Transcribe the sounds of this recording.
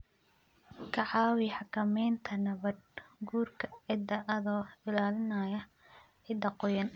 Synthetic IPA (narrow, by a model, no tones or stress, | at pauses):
kʰɐʕɑːwɪħɑkʰɐmɛjnt̪ʰɐnɐβɐd̪̚ɡuːrkʰɐʕɪd̪ɐʔɐðɔːɪlaːlɪnɐjɐ | ʕɪd̪ɐqɔjɐn